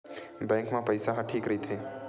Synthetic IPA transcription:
bɛ̃ːŋkmãpəjsaɦãʈʰiːkɾəɦit̪ʰeː

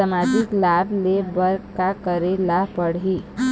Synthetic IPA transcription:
amad͡ʒɪklablebəɾkakəɾelapəɽɦiː

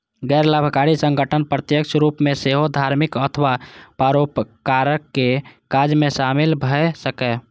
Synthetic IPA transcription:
ɡɛɪɾləbʱkaɾisə̃ŋɡəʈʰənpɾət̪jəkʃɾupmẽseɦod̪ʱaɾmikət̪ʰəʋapaɾopkaɾəkːekad͡ʒmẽʃamilbʱəsəkɛ

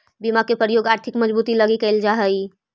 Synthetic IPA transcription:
bimakepɾəjoɡaɾt̪ʰikməd͡ʒbut̪iləɡikəɪld͡ʒaɦəj

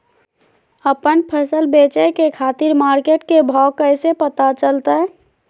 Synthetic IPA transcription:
əpənpʰəsəlbet͡ʃəkekʰat̪iɾmaɾkeʈkebʱɔkːəɪsepət̪at͡ʃəlt̪ə

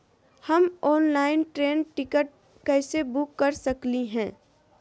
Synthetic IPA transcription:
hɐmɔːnlaːɪnʈɾeːnʈɪkəʈ̚ | kɛːsebʊkːɐɾsɐkliɦɛ̃ː

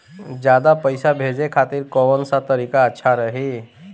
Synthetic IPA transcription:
d͡ʒjaːd̪apəɪsabʱed͡ʒekʰaːt̪iɾkɔʋənsat̪əɾiːkaətːʃʰaɾəɦi

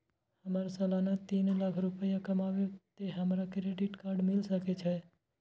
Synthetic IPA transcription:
həmaːɾasalaːnat̪iːnlakʰɾʊpəjakəmaːʋet̪eɦəmɾakɾeɖɪʈkaːɾɖmɪlsəkɛt͡ʃʰɛ

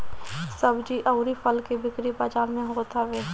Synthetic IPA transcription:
səbd͡ʒiʔɐʊɾipʰəlkebɪkɾibaːd͡ʒaːlmẽɦot̪ʰaʋeː

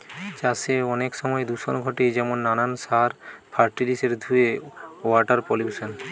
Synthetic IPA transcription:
d͡ʑaseɔnekʃɔmɔed̪uʃonɡʱoʈed͡ʑɛmonːananʃaɾfʰaɾʈiɾiseɾd̪ʱueaʈaɾpolisen

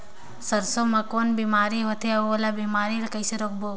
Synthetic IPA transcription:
səɾsomakoːnbimaːɾiɦot̪ʰeɐolabimaːɾiɾkəjseɾok̚boː

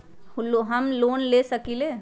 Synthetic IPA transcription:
hʊlːoɦəmloːnlesəkile

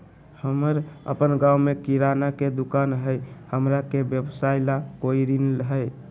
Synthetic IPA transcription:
həməɾə̰pənɡawmekiɾanaked̪ukanɦəjhəmɾakebjəbsailakoiɾinlɦə

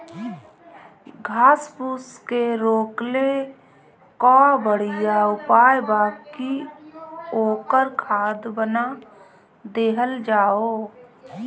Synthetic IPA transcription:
ɡʱaːspuskeɾoːkle | kɔ̃bəɽ̤ijaʊpaːjbaːki | oːkəɾkʰaːd̪bəna | d̪eːɦəld͡ʒaːo

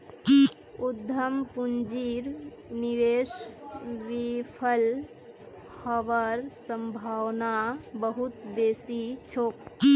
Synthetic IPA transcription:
ud̪ʱːəmpund͡ʒiɾ | niʋes | ʋipʰəl | həʋəɾsəmbʱawnabəɦut̪besit͡ʃʰoːk̚

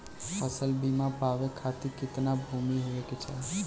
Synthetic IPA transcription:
pʰəsəlbimãpaʋekʰat̪ikɪt̪nabʱumiɦueket͡ʃʰa̰

